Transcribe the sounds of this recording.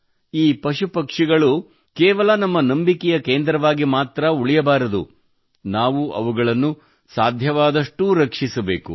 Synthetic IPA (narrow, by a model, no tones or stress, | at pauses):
iːpɐʃupɐkʂiɡɐɭu | keːʋɐlɐnɐmːɐnɐmbikɛjɐkeːnd̪ɾɐʋaːɡimaːt̪ɾɐuɭijɐbaːɾɐd̪ṵ | naːʋuɐ̰ʋuɡɐɭɐnːu | saːd̪ʱjɐʋaːd̪ɐʂʈuɾɐkʂisɐbḛːku